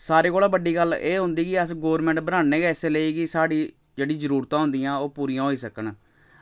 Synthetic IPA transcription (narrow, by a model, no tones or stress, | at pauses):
saːɾeːkoːlaːbəɖːiːɡəleːɦʊ̃nd̪iːkɪəsɡoːɾmɛ̃ːɳʈbənaːeːɡɛːseːləiːkɪsaːɽiː | d͡ʒeːɽiːzəɾuːɾt̪ãːɦʊ̃nd̪iːãːoːpuːɾiːãːɦoːiːsəkən